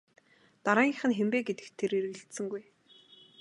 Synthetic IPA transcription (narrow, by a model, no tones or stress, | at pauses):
t̪aɾaːŋiːχɘ̆nxempeːɡet̪ɘ̆kt̪ʰːeɾeɾɣɘ̆ɬt̪sɘ̆ŋɡuj